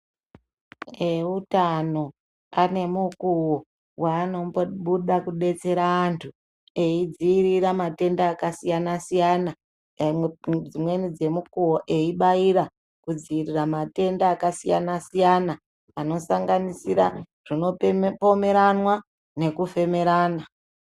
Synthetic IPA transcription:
eutano̞ | ane̞mukuwo | waːno̞ɓuɗakuɗe̞t͡se̞ɾaːntʰu | e̞id͡ziːriramate̞ndaːkasijanasijana | d͡zimwe̞nid͡ze̞mukuwoʔe̞iɓaiɾa | kud͡ziiriramate̞ndaːkasija̰nasijana | ano̞saŋɡanisiɾa | ʐ̥ino̞po̞me̞ɾanwa | ne̞kufe̞me̞ɾaːna

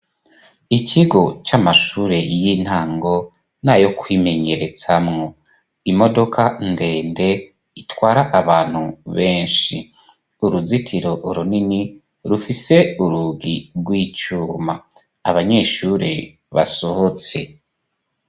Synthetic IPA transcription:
icʰiɡo̞t͡ʃamaʃuɾe̞jin̥haːŋɡo̞ | n̥ajo̞kwime̞ɲe̞ɾe̞t͡samŋo̞ | imo̞do̞kʰande̞ːnde̞ | itwaːɾaʔaβaːn̥huβe̞ːnʃi | uɾuzitʰiɾo̞ʔuɾunini | ɾufise̞uɾuɡiɾɡwiːt͡ʃuːmaː | βaɲe̞ːʃuɾe | βa̰so̞ho̞t͡se̞

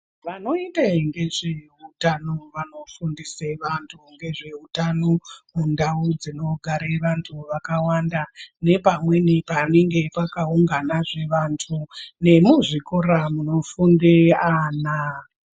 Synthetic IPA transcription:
ʋano̞iteŋɡe̞ʐe̞ | utanoʋano̞fundiseʋantʰuŋɡe̞ʐe̞utanomundaud͡zino̞ɡʱaɾeʋantʰuʋakawandane̞pamwe̞nipaneŋɡe̞pakauŋɡanaʐe̞ʋantʰune̞muʐikoɾamuno̞fundeana

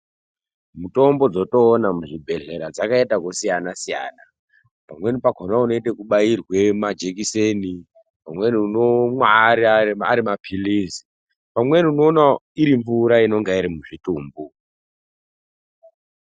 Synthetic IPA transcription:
muto̞mbo̞d͡zo̞to̞ːnamuʐibʱe̞ɮe̞ɾad͡zakaetakosijanasija̰ːna | pamwe̞nipakonauno̞ite̞kuɓairwemad͡ʒek̬iseni | pamwe̞niunomwaɾiaa̰ɾimapʰilisi̥ | pamwe̞niuno̞ːnaiɾiɱvuɾaino̞ŋɡaiɾimuʐituːmbu

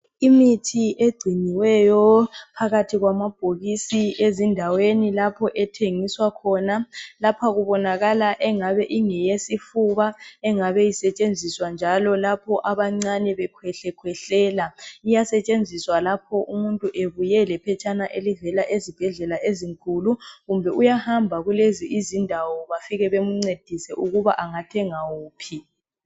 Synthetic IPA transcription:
imitʰieɡ͡ǀʱiniwɛjɔpʰaɣatʰiɣwamab̥ʱoɣisiezindʱawenilapʰɔʔɛtʰeŋiswakʰɔnalapʰaɣuβɔnaɣalaʔɛŋaβɛʔiŋɛjesifuβaɛŋaβɛjisɛt͡ʃʼend͡zʱiswand͡ʒʱalɔlapʰɔʔaβaŋ͡ǀanɛβɛkʰwɛɬɛkʰwɛɬɛːlaijasɛt͡ʃʼend͡zʱiswalapʰɔʔumuntʼuʔeβujɛlɛpʰɛt͡ʃʼanaʔelivɛlaʔezib̥ʱɛɮɛlaʔeziŋkʼuluɣumbʱɛʔujahambʱaɣuleziʔizindʱawɔβafiɣɛβemuŋ͡ǀed̥ʱisɛʔuɣuβaʔaŋatʰɛŋawuːpʰi

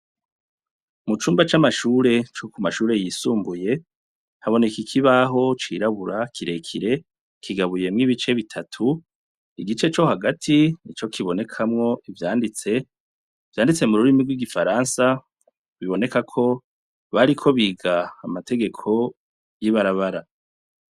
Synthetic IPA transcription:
mut͡ʃuːmbat͡ʃamaʃuːɾe̞t͡ʃokumaʃuːɾe̞jisuːmbuje̞ | haβo̞ne̞kikʰiβaɦo̞t͡ʃiɾaβuɾakʰiɾe̞kʰiɾe̞ | kʰiɡaβuje̞mŋiβit͡ʃe̞βitʰatʰu | iɡit͡ʃe̞t͡ʃo̞haɡatʰinit͡ʃo̞kʰiβo̞ne̞kʰamŋo̞ivjaːndit͡se̞ | vjaːndit͡se̞muɾuɾimiɡwiɡifaɾansa | βiβo̞ne̞kakʰo̞ | βaɾikʰo̞βiːɡaːmatʰe̞ɡe̞kʰo̞ | jiβaɾaβaɾa

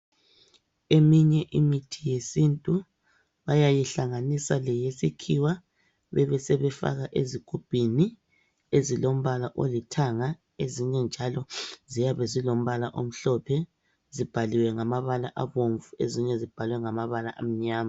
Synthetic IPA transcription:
emiɲɛʔimitʰijesintʼu | βajajiɬaŋanisalɛjesikʰiwa | βɛβɛsɛβɛfa̰ɣaʔezikʰub̥ʱini | ezilom̩βalaʔo̰litʰaŋa | eziɲɛnd͡ʒʱalɔzijaβɛzilom̩βalaʔom̩ɬɔpʰɛ | zib̥ʱaliwɛŋamaβalaʔaβoɱvueziɲɛzib̥ʱalwɛŋamaβala̰ʔam̩ɲaːma

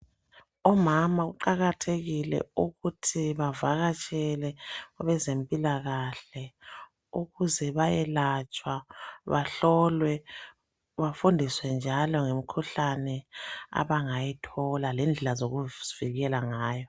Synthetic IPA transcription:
ɔmamaɣuǃaɣatʰeɣilɛ̰uɣutʰiβavaɣat͡ʃʼɛlɛɔβɛzempʼilaɣaɬɛ | uɣuzɛβajɛlat͡ʃʼwaβaɬɔlwɛ | βafundʱiswɛnd͡ʒʱalɔŋemikʰuɬanɛa̰βaŋajitʰɔlalɛnd͡ɮʱɛlazoɣuviɣɛlaŋaːjɔ

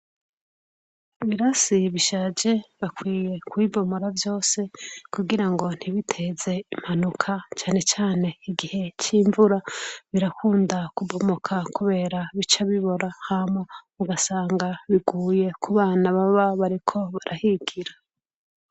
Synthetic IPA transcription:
iβiɾasiβiʃaːd͡ʒe̞βakwiːje̞kwibo̞mo̞ɾavjo̞ːse̞kuɡiɾaŋɡo̞n̥hiβitʰe̞ze̞im̥hanukʰat͡ʃaːne̞t͡ʃaːne̞iɡihe̞t͡ʃiːɱvuɾaβiɾakʰuːndakubomokʰakuβe̞ːɾaβit͡ʃaβiβo̞ɾahamomuɡasaːŋɡaβiɡuːje̞kʰuβaːnaβaβaβaɾikʰo̞βaɾʔahiɡ̥iɾa

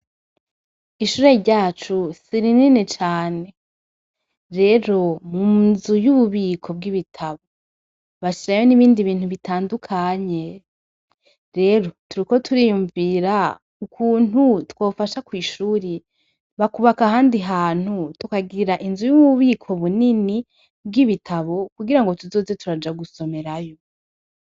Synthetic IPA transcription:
iʃuːɾe̞ɾɟaːt͡ʃusiɾininet͡ʃaːne̞ | ɾe̞ɾo̞munzujuβuβiːkʰo̞bɡiβitʰaβo | βaʃiɾajo̞niβiːndiβiːnhuβitaːndukʰaɲe̞ | ɾe̞ɾo̞tuɾiko̞tʰuɾijuɱviːɾa | ukʰuːnutwoːfaʃakwiːʃuːɾe | βakuβakaɦaːndiɦaːn̥hutukaɡiɾaʔinzujuβuβikʰo̞βunini | b̚ɡiβitʰaβo̞kuɡiɾaŋɡo̞tuzo̞ːze̞tuɾad͡ʒaɡuso̞me̞ɾajo

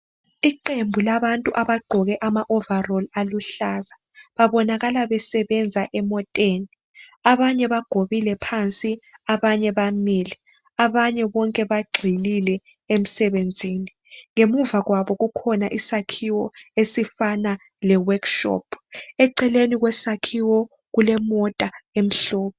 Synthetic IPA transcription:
iǃembʱulaβantʼuʔaβaɡ͡ǃʱɔɣɛʔamaʔɔvarɔlaluɬaːza | βaβɔnaɣalaβɛsɛβɛnd͡zʱaʔɛmɔtʼeːni | aβaɲɛβaɡ̥ʱoβilɛpʰant͡sʼiaβaɲɛβamilɛ | aβaɲɛβɔŋkʼɛβaɡ͡ǀʱililɛ | em̩sɛβend͡zʱiːni | ŋemuvaɣwaβɔɣukʰɔnaʔisakʰiwɔesifana | lɛwakʃɔ̰pʰɛǀɛleniɣwɛsakʰiwɔ | ɣulɛmɔtʼaem̩ɬɔːɓɔ

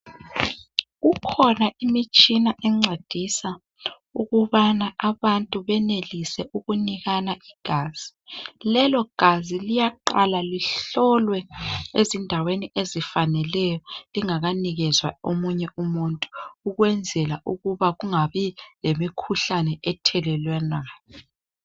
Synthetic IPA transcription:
ɣukʰɔnaʔimit͡ʃʼinaʔɛŋ͡ǀed̥ʱisa | uɣuβanaʔaβantʼuβɛnelisɛʔuɣuniɣanaiɡ̥ʱaːz̥ilɛlɔɡ̥ʱazilijaǃalaliɬɔlwɛezindʱaweniʔezifanɛlɛjɔliŋaɣaniɣɛzwa̰omuɲɛʔumuntʼu̥ːɣwɛnd͡zʱɛlaʔuɣuβaɣuŋaβilemikʰuɬanɛʔɛtʰɛlɛlwɛnaːjɔ

